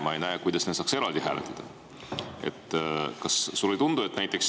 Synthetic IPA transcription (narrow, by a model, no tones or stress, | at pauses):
mɑejnæekujd̪ɑsnesɑːkse̞ɾɑld̪iɦæːlet̪ːˑɑd̪̥ɑ | e̞̰t̪ːˑkɑsːulːet̪und̪ue̞t̪ːnæjt̪ːˑeks